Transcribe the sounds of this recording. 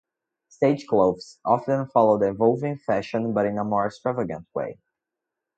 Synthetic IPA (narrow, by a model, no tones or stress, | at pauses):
steɪd͡ʒkloʊvsʔɑfə̃nfɑlˠoʊdɪ̃vɔlˠvɪ̃ŋfæʃə̃nbʌɾɪ̃nəmɔɹɪkstɹ̥avəɡə̰̃nt̚ʰwḛɪ